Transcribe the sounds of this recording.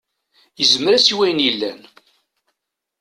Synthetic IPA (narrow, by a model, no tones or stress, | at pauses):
jəzməɾæsiwæjnjilːæ̰n